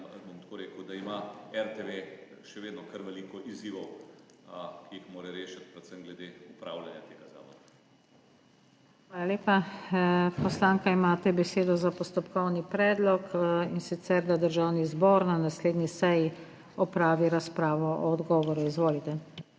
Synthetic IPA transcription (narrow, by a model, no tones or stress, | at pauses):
bomt̪koːɾeːkəwd̪aimaɛɾt̪eʋe | ʃɛʋeːd̪nɔkəɾʋɛliːkɔʔiziːʋɔw | kʰiixmoːɾɛɾeːʃat̪̚pɾɛt̪sɛmɡlɛd̪eupɾa̰ːwlanjat̪eɡaza̰ːʋɔɾa | xʋaːlaleːpa | pɔslaːŋkaimaːt̪ɛbɛseːd̪ɔzapɔst̪ɔpkɔwnipɾɛːd̪lɔkinsit̪sɛɾd̪ad̪əɾʒawnizbɔːɾnanasleːd̪nisɛji | ɔpɾaːʋiɾaspɾaːʋɔɔːd̪ɡɔːʋɔɾuizʋoːlit̪ɛ